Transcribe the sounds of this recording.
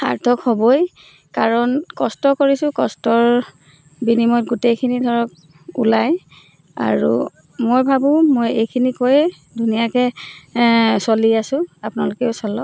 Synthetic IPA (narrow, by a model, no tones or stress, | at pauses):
a̰ɹtʰɔkhɔbɔj | kaɹɔnkɔstɔkoɹisʊ̃kɔstɔɹ | binimɔt̚ɡutejkʰinidʱɔɹɔk̚ | ṵlaj | a̰ɹṵ | mojbʱabʊ̃mojejkʰinikoj | dunijakɛ | soliasʊ̃apʊnalʊkɛʊsɔlɔ